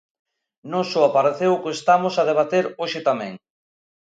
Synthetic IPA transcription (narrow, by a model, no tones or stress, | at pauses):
nosʊapaɾeθewkest̪amʊsað̞eβ̞at̪eɾoʃɪt̪amẽŋ